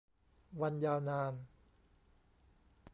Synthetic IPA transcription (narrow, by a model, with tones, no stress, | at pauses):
wa˧njaː˧wnaː˧n